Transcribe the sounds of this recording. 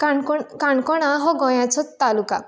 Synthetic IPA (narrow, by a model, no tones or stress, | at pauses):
kaɳkɔkaɳkɔɽ̃aɦɔɡɔjãt͡ʃʰɔt̪ːaluka̰